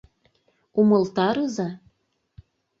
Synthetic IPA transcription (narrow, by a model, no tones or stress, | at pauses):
umɤ̆lt̪ɑɾɯzɑ